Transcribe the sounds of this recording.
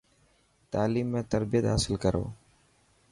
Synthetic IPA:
t̪aːliːmːẽːt̪əɾbɪjət̪ɦaːsɪlkəɾo̰ː

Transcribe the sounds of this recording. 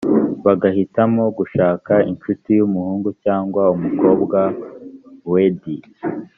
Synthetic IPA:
βaɡahitamo̞ɡuʃaːkainʃutijumuhuːŋɡucaːŋɡwaumuko̞ːbɡa | wedi

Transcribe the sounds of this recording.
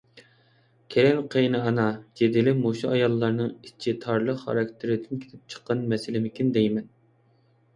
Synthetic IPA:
kʲʰeɾɛŋqʰejnɨɑnɑd͡ʒed̪ɪlɪmoʃuɑjɑlˠːɑɾnɨŋi̥t͡ʃʰit̪ʰɑɾlˠəχχɑ̰ɾɑkʲt̪ʰɪɾɪd̪ɪnkʲʰe̥t̪ʰɪp̚t͡ʃʰə̥qːɑnmɛsɪlɪmɪkʲind̪ɛjmɛn

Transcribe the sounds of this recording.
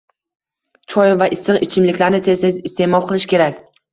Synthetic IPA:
t͡ʃʰɒjvaʔɪsɨqɪt͡ʃʰɪmlɪkʲlaɾnɪt̪ʰezezɪst̪e̞mɒlˠqʰɨlˠɪʃkʲe̞ɾakʲ

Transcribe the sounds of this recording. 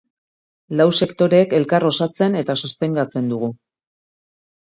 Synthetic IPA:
lawse̞kt̪o̞ɾe̞ːke̞lkaro̞sat͡se̞ne̞t̪asost̪e̞ŋɡat͡se̞nd̪uɣu

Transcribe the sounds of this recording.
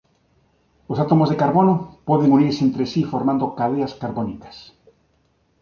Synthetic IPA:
osat̪omozðekaɾβonopoðeŋuniɾsent̪ɾesifoɾmãnd̪okaðeaskaɾβonikḁs

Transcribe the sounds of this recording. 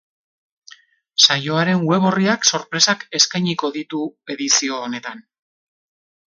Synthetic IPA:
sajo̞aɾe̞ŋweβ̞o̞riakso̞ɾpɾe̞sake̞skajɲiko̞ðit̪ue̞ðisio̞ːne̞t̪an

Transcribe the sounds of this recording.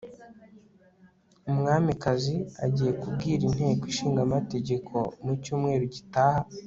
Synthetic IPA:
umŋaːmikazia̰ɟiːje̞kubɡiːɾin̥he̞ːkwiʃiːŋɡamate̞ɟe̞kʰo̞mucuːmŋe̞ːɾuɟitaːha

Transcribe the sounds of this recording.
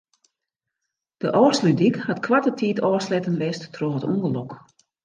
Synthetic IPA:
d̥əʔɔːrslydikhatkʰwatətʰiːtʰɔːrslɛtənʋɪstːʰroətṵŋɡəlok

